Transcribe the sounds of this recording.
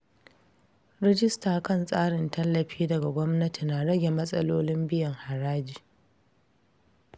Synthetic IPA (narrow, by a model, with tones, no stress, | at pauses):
ɾɛ˦d͡ʒɪ˦staː˨kɐ˦˨nsʼaː˦ɽɪ˨ntɐ˦lːɐ˨ɸiː˦dɐ˨ɡa˨ɡʷɔ˦mnɐ˦ti˨na˨ɽɐ˦ɡʲe˨mɐ˦sʼɐ̰˦loː˦lɪ˦mbɪ˦jɐ˨ŋha˨ɽaː˦d͡ʒiː˨